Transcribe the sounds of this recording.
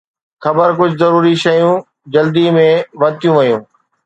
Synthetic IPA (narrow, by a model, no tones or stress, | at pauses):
xɐbəɾkʊd͡ʑʱzɐɾuːɾiʃɐjũ | d͡ʑɐld̪imẽʋɐt̪ijũʋɐjũː